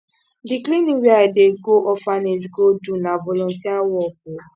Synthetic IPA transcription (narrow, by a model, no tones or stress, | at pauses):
diklĩnĩwiadeɡoʔɔfanẽd͡ʒɡodunãvɔlɔ̃tĩawɔku